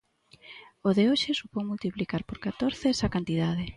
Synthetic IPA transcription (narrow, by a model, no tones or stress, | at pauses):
oðeoʃɪsupowmult̪iplikaɾpoɾkat̪oɾθesakant̪iðað̞ɪ